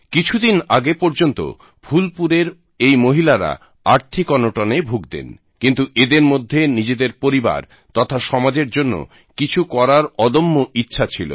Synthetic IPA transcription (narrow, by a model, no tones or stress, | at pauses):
kit͡ɕʰud̪inaɡepoɾd͡ʑont̪o̰ | bʱulpuɾeɾ | ejmoɦilaɾa̰ | aɾt̪ʰikɔnoʈonebʱuɡd̪ḛn | kint̪uʔed̪eɾmod̪ʱːenid͡ʑed̪eɾpoɾiba̰ɾ | t̪ɔt̪ʰaʃɔmad͡ʑeɾd͡ʑonːo̰ | kit͡ɕʰukɔɾaɾɔd̪omːoʔitːɕʰat͡ɕʰilo̰